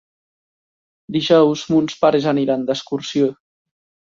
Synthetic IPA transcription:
d̪iʒɔwzmunspaɾezaniɾand̪əskuɾsio

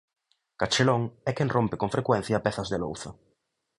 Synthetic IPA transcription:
kat͡ʃelõŋɛkenrʔompekoɱfɾekwɛn̟θjapeθazðelowθa

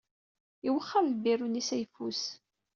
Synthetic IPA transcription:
iwəχːallbirunisæjfus

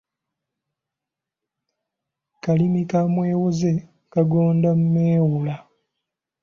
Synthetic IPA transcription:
kalimikamwe̞ːwoze̞ | kaɡoːndamumeːwula

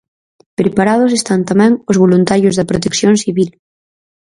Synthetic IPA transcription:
pɾepaɾað̞os̬est̪ant̪amɛ̃ŋozβolunt̪aɾjozðɐpɾot̪eksjõŋsiβil

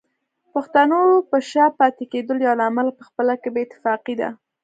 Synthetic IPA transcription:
paxt̪anopəʃapɑt̪eked̪əljɑlaːmalapəxpəlakebeːt̪ːɪ̥fɑqid̪a̰

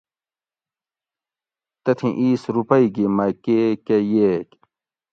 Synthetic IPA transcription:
t̪ɐt̪ʰĩʔiːsɾupɐiɡimɐkekejeːk

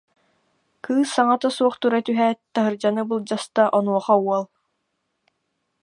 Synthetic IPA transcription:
kɯːsːaŋat̪asuɔχt̪uɾat̪yɦɛːt̪aɦɯɾd͡ʑanɯbɯlˠd͡ʑast̪aʔɔnuɔχauɔlˠ

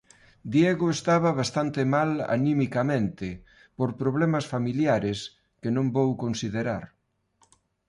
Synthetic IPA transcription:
d̪jeɣʊest̪aβ̞ɐβast̪ant̪emala̰nĩmikamẽnt̪ɪ | poɾpɾoβ̞lɛmɐsfamiljaɾes | kenõmbowkonsiðeɾaɾ

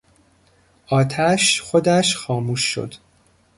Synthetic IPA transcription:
ʔɒːt̪ʰæʃxo̞d̪æʃxɒːmuːʃːo̰d̪̥

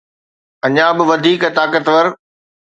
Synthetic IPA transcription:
ɐɲãbɪʋɐd̪ʱiːkt̪aːkət̪ʋəɾ

